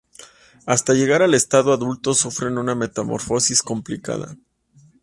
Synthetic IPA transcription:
ast̪aʝe̞ɣ̞aɾale̞st̪aðoaðult̪o̞sufɾe̞nuname̞t̪amo̞̰ɾfo̞sisko̞mplika̰ða̰

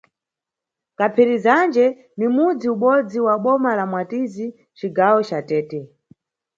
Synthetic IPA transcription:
kapʰiɾizand͡ʒɛ | nimud͡ziuɓɔd͡ziwaɓɔmalamwatizi | t͡ʃiɡawɔt͡ʃatɛːtɛ

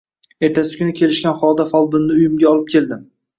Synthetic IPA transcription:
e̞ɾt̪ʰasɪ̥kʲʰʊnɪkʲʰe̞lɪʃkʲanχɒd̪afɒlˠbɪnːɪʊjɪmɡʲaɒlˠɪp̚kʲʰe̞ld̪ɪm

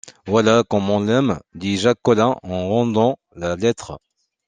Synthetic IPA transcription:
vwalakɔ̃mɔ̃lɛmd̪iʒakːɔlɛ̃ʔɑ̃ʁɑ̃d̪ɑ̃ | lalɛt̪χ

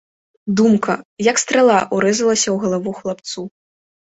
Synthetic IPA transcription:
d̪umkɐjɐkst̪ɾalˠaʔuɾɛzɐlˠɐsʲɐwɣɐlˠavuxlˠap̚t̪su

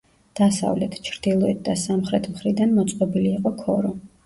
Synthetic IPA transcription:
d̪̥asa̰vlɛt̪ʰt͡ʃʰɾd̪̥ilˠɔɛt̪̚d̪asamχɾɛt̪ʰmχɾid̪anmɔt̪sʼqʼɔbiliːqʼɔkʰɔɾɔ

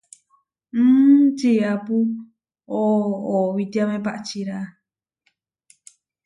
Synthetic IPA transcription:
m̩ːt͡ʃiapu | oːβit̪iamẽpaʔt͡ʃiɾa

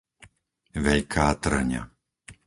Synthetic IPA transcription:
ʋɛʎkʰaːt̪r̩ɲa̰

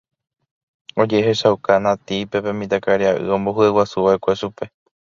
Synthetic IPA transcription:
o̞d͡ʒe̞ɦeʃaukanãt̪ipe̞pẽ̞mĩt̪̬akaɾiaʔɨ̰õ̞mbo̞ɦuewasuʋaʔe̞kʷeʃupe̞

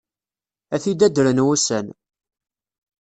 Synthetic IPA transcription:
æθid̪æd̪əɾənwusən

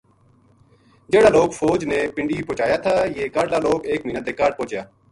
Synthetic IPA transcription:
d͡ʒeːɽaːloːkfʰoːd͡ʒneːpɪɳɖiːpoːt͡ʃaːjaːt̪ʰaːjeːkaːɖlaːloːkeːkmĩːnət̪eːkaːɾʈ̚põːt͡ʃjaː

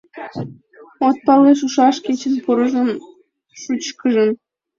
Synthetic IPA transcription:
ot̪̚pɑleʃ̬uʃɑʃkʲet͡ɕə̆npuɾɤ̆ʒə̆n | ʃut͡ɕkəʒə̆n

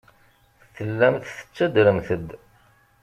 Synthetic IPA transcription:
θθəlːæmθθə̥t͡sːæd̪ɾəmθəd̪

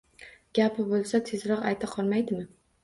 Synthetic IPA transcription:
ɡ̥ʲapɪbolˠsat̪ʰezɾɒqajt̪ʰaqʰɒɾmajd̪ɪmɪ

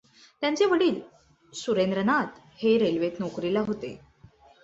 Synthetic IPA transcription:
t̪jãɲt͡seʋəɽiːl | suɾend̪ɾənat̪ | heɾelʋet̪nɔkɾilaɦot̪ḛ

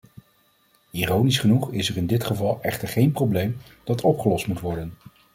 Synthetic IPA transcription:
iːrownisχənuχɪsəɹɪndɪtχəvɑlˠʔɛχtəɹχejnprowblejm | d̥ɑtʰɔpχəlɔstmutʋɔɹdən

